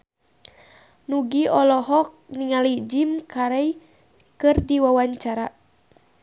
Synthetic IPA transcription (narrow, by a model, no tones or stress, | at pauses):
nuɡiɔlɔɦɔk̚niŋalid͡ʒimkaɾɛj | kɨrdiwawaɲt͡ʃaɾa